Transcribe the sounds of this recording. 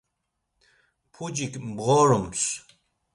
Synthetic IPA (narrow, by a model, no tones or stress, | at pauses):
pʰud͡ʑikmbʁɔɾums